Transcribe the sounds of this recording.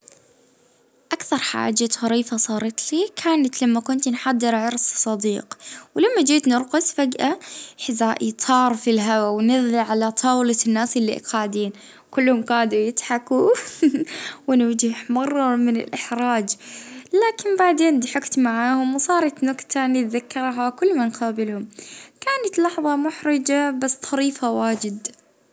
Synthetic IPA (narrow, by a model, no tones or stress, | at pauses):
ʔakθɑɾˤħa̰ːd͡ʒaɣɑɾiːfasˤɑːɾˤɑt̪liːkʰaːnat̪lamːakʊnt̪nħad̪ːɪɾʕɑɾˤssˤɑd̪iːqwlamːad͡ʒiːt̪nɪɾqʊsfaɡʔaħɪzaːʔijt̪ˤʰɑːɾˤfilɦawawnɪðˤliʕalat̪ˤʰɑːwlanːaːsʔɪlːḭʔqaːʕd̪iːn | kʊlːhʊmqaːd̪ujɪt̪ħaku | wɪnɪwd͡ʒɪħmɑrˤːɑmɪnɪ̰lʔɪħɾaːd͡ʒlaːkɪnbaʕd̪eːnd̪ħɪkt̪maʕaːhʊmwsˤɑːɾˤɑt̪nʊkt̪ʰanit̪ðakːɑɾˤɦakʊlːmanqɑːbɪlhʊmkaːnat̪lɑħðˤɑmʊħɾɪd͡ʒabasːt̪ˤʰɑɾiːfawaːd͡ʒɪd̪